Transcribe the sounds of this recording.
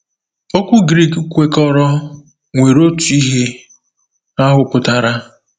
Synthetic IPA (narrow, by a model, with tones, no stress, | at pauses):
o˦kʷu˦ɡɾi˦˨kkʷe˨kɔ˦ɾɔ˦ | ŋʷe˨ɾo˦tu˨i˦ɦe˦ | a˦ɦʊ˨pʊ˨ta˨ɾa˦